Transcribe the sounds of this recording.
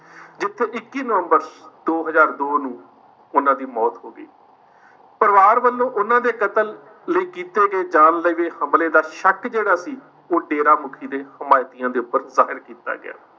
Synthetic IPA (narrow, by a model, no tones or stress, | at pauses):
d͡ʒɪt̪ʰːeːʔɪkːiːnəʋəmbəɾd̪̥oːɦəzaːɾd̪oːnũː | ʊnãːd̪iːmɔːt̪ɦoːɡəiː | pəɾʋaːɾʋəlːõːʔʊnãːd̪eːkət̪əl | ləiːkiːt̪eːɡeːd͡ʒaːnləiːʋeːhəmleːd̪aːʃəkd͡ʒeːɽaːsiː | oːɖeːɾaːmʊkʰiːd̪eːhəmaːjt̪ijãːd̪eːʊpːəɾzaːɦɪɾkiːt̪a̰ːɡɪ̰ja̰ː